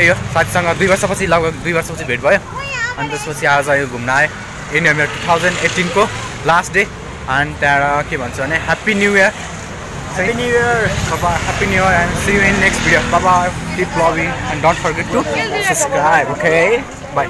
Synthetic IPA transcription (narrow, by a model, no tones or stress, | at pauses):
ejosat̪ʰi̥sʌŋɡʌd̪ujbʌrsʌpʌt͡sʰilʌɡbʌd̪ujbʌrsʌpʌt͡sʰibʱeʈ̚bʱʌjoʌnt̪espʌt͡sʰiad͡zãjoɡʱumnaj | eniɦamiɾʌʈut̪ʰawd͡zʌnɖeʈinko | lasʈɖe | ʌnt̪ãɾʌkebʱʌnt͡sʰubʌneɦapinjujʌɾ | ãnuɾʌbahapinjujʌɾansijuenːeksʈbʱiɽiopʌpaɖiplobiŋãnɖonʈ̚pʰʌrɡeʈːusʌpskɾajbokʰe | ba